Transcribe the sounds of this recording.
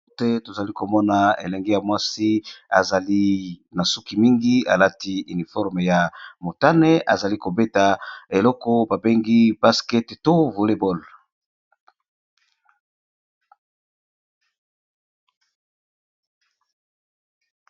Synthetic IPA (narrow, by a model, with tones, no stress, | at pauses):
tɛ˦to˨za˨li˦ko˨mɔ˦na˨ḛ˨lɛ˨ŋɡe˦ja˨mwa˦si˦a̰˨za˨li˦na˨su˦ki˨mi˦ŋɡi˦a̰˨la˦ti˦y˨ni˨fɔ˦ʁme˨ja˨mo˨ta˦ne˦ʔa̰˨za˨li˦ko˨be˦ta˨e˨lɔ˦kɔ˦ba˨be˦ŋɡi˦b̥a˦skɛ˦tto˦vu˨le˨bɔ˦l